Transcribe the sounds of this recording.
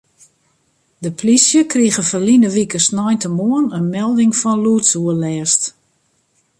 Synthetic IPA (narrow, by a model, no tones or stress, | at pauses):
dəplisjəkriəɣəfəlinəʋikəsnɔjntəmuənənmɛlˠdɪŋfɔnluətsuəlɛːst